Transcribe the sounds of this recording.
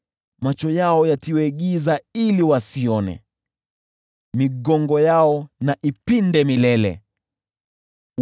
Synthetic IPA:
mat͡ʃɔjaɔjatiwɛɠizailiwasiɔnɛ̰ | miɠɔŋɡɔjaɔnaʔipindɛmilɛlɛ̰

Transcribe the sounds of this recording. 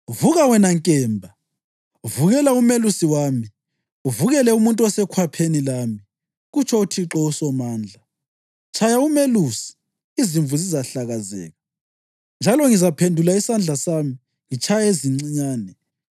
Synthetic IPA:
uvuɣawɛnaŋkʼɛːmbʱa | uvuɣɛlaumelusiwaːmi | uvuɣɛlɛumuntʼuɔsɛkʰwapʰenilami | ɣut͡ʃʰɔutʰiǁɔusɔmaːnd͡ɮʱa | t͡ʃʰajaumelusi̥ | iziɱvʱuzizaɬaɣazɛ̰ːɣa | nd͡ʒʱalɔŋizapʰendʱulaisand͡ɮʱasami | ŋit͡ʃʰajaeziŋ͡ǀiɲaːnɛ

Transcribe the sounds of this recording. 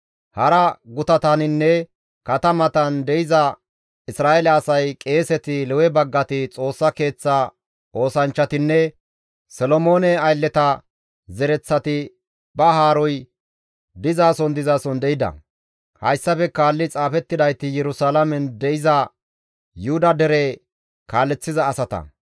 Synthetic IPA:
hɐɾɐɡʊt̪ɐt̪anɪnːɛ | kɐt̪ɐmɐt̪ɐnd̪ɛɪzɐ | ɪsɾaːʔelɛːsɐjkʼe̞ːsɛt̪ɪlɛwɛbɐɡːɐt̪ɪt͡sʼo̞ːsːɐke̞ːt͡sːaː | ʔo̞ːsɐnt͡ʃːɐt̪ɪnːɛ | sɔlɔmo̞ːnɛɐjlːɛt̪ɐ | zɛɾɛt͡sːɐt̪ɪ | bɐɦaːɾɔj | d̪ɪzaːsɔnd̪ɪzaːsɔnd̪ɛɪd̪ɐ̰ | hɐjsːɐfɛkaːlːɪt͡sʼaːfɛt̪ːɪd̪ɐjt̪ːɪjɛɾʊsaːlɐmɛnd̪ɛɪzɐ | jʊhʊd̪ɐd̪ɛɾe | kaːlːɛt͡sːɪzɐːsɐt̪ɐ̰

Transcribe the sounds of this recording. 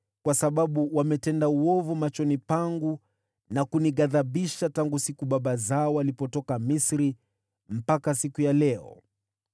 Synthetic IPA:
kwasaɓaɓuwamɛtɛndauɔvumat͡ʃɔnipaŋɡu | nakuniɠaðaɓiʃataŋɡusikuɓaɓazaɔwalipɔtɔkamisɾi | m̩pakasikujalɛɔ̰

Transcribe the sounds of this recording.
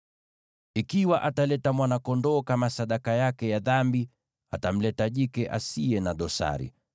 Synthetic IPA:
ikiwaʔatalɛtamwanakɔndɔːkamasaɗakajakɛjaðambi | a̰tam̩lɛtaʄikɛʔa̰siɛnaɗɔsa̰ɾḭ

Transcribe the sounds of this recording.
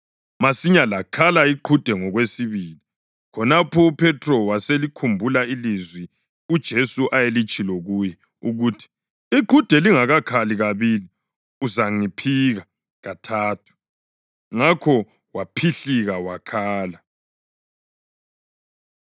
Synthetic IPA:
masiɲalakʰalaiǃʰud̥ʱɛŋɔɣwesiβiːli | kʰɔnapʰɔupʰɛtʰrɔwaselikʰumbʱulailizwi | ud̥ʒ̥ʱesuʔajelit͡ʃʼiloɣujɛ | uɣuːtʰi̥ | iǃʰud̥ʱɛliŋaɣakʰaliɣaβili | uzaŋipʰiɣa | ɣatʰaːtʰu̥ | ŋakʰɔ | wapʰiɬiɣawakʰaːla

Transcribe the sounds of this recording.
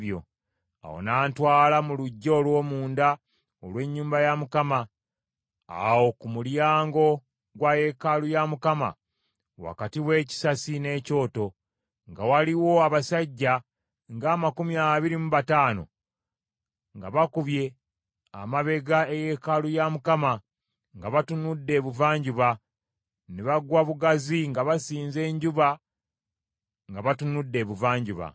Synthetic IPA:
jo̞̰ | a̰wo̰naːntwaːlamuluɟːoːlwo̞ːmuːnda | olwe̞ɲːuːmbajamukama | a̰wo̞kumuljaːŋɡo̞ | ɡwaje̞kalujamukama̰ | wa̰katiwe̞ːci̥sasine̞ːco̞ːto̞ | ŋɡawaliwo̞aβasaɟːa | ŋɡaːmakumiaβiɾimuβataːno̞̰ | ŋɡaβakuβje̞ | a̰maβe̞ɡaeje̞kalujamukama | ŋɡaβatunudːe̞ːβuvaːɲɟuβa | neβaɡwaβuɡaziŋɡaβasiːnze̞ːɲɟuβa | ŋɡaβatunudːe̞ːβuvaːɲɟuβa̰

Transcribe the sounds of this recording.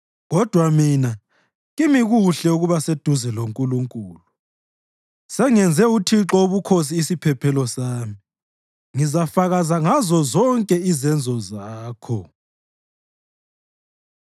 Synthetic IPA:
ɣɔd̥ʱwamina | ɣimiɣuɬɛuɣuβased̥ʱuzɛloŋkʼuluŋkʼuːlu | sɛŋɛnd͡zʱɛutʰiǁɔuβukʰos̬iːsipʰɛpʰɛlɔsaːmi | ŋizafaɣazaŋazɔzɔŋkʼɛizɛnd͡zʱɔzaːkʰɔ

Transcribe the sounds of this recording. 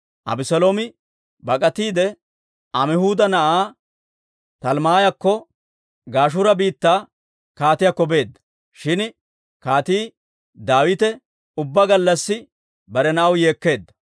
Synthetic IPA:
ʔɐ̰bɪsɐloːmɪ | bɐkʼɐt̪iːd̪ɛ | ʔɐmɪhuːd̪ɐnɐʔaː | t̪ɐlmaːjɐkːɔ | ɡaːʃ̬ʊɾɐbiːt̪ːaː | kaːt̪ɪjakɔbe̞ːd̪ːɐ̥ | ʃɪn | kaːt̪iː | d̪aːwɪt̪ɛ | ʊbːɐɡɐlːɐsːɪ | bɐɾɛnɐʔɐwje̞ːkːe̞ːd̪ːɐ̥

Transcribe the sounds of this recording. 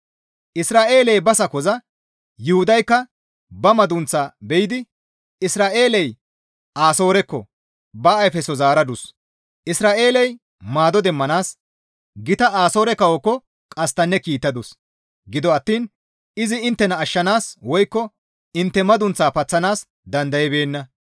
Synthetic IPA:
ʔɪsɾaːʔeːlɛjbɐsɐkɔzɐ | jʊhʊd̪ɐjkːɐ | bɐmɐd̪ʊnt͡sːaːbɛjɪd̪ɪ | ɪsɾaːʔe̞ːlɛj | ʔaːso̞ːɾɛkːɔ | bɐːjfɛsɔzaːɾɐd̪ʊs | ʔɪsɾaːʔe̞ːlɛj | maːd̪ɔd̪ɛmːɐnaːs | ɡɪt̪ɐaːso̞ːɾɛkɐwɔkːɔ | kʼɐst̪ɐnːɛkiːt̪ːɐd̪ʊs | ɡɪd̪ɔɐt̪ːiːn | ɪzɪɪnt̪ːɛnɐːʃːɐnaːswɔjkːɔ | ɪnt̪ːɛmɐd̪ʊnt͡sːaːpɐt͡sːɐnaːs | d̪ɐnd̪ɐjɛbe̞ːnːɐ

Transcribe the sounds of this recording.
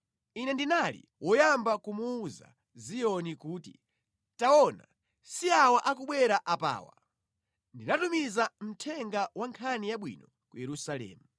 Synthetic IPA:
inɛndinalḭ | wʔɔjambakumuːza̰ | zijɔnikuːti | taɔna̰ | siawaʔakuɓwɛɾaʔapa̰ːwa̰ | ndinatumizam̩tʰɛŋɡawaŋkʰanijaɓwḭnɔ | kujɛɾusalɛ̰ːmu

